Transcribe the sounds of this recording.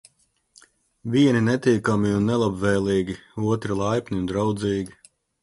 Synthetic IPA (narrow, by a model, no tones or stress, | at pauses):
vʲiɛninɛt̪iːkamiunːɛlˠabvɛːlˠiːɡʲiuɔt̪ɾilˠajpʲnʲiund̪ɾawd̪ziːɡi